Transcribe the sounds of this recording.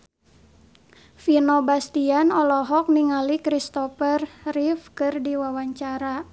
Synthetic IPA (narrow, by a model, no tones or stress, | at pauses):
finɔbast̪ianɔlɔɦɔk̚niŋalikɾist̪ɔfərrifkɨrdiwawaɲt͡ʃaɾa